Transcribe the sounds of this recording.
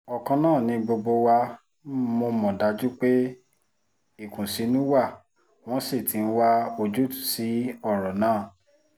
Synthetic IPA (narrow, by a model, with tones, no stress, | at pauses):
ɔ˨kã˧nãː˦˨nĩ˧ɡ͡bo˧ɡ͡bo˧wa˧ | mo˧mɔ̃˨da˨˦d͡ʒu˦k͡pe˦ | i˦˨kũ˨si˨˦nũ˦wa˦˨ | w̃ɔ̃˦se˦˨ti˨˦n̩˦wa˦o˧d͡ʒu˦tu̥˨si˨˦ɔ˦˨ɾɔ˨nãː˦˨